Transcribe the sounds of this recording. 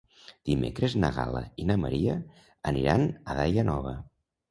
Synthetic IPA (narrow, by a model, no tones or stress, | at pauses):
d̪̥imekɾeznəɣaləinəməɾiə | əniɾanəðajənɔβ̞ə